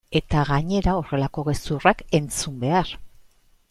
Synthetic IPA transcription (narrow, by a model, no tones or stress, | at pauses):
e̞t̪aɣaɲe̞ɾao̞re̞lako̞ɣe̞surake̞nt͡sumbe̞ar